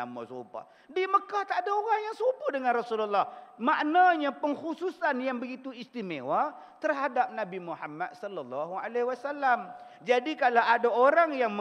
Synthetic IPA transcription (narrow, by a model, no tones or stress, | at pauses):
a̰ma̰sṵpa̰ | diaməkaht̪aʔdaoɣaŋjaŋsupudəŋanrasululˠːɔhmaʔnaɲapəŋhususanjaŋbəɡit̪uist̪imewa | t̪ərɦadap̚nãbimuħamːat̪̚sɔlalːɔɦua̰lehwasalːam | d͡ʒadikalaʔadaoɾaŋjaŋm